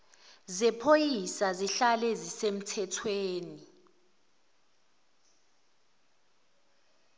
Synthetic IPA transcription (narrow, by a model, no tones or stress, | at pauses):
zɛpʰojisaziɬalɛzisem̩tʰɛtʰweːni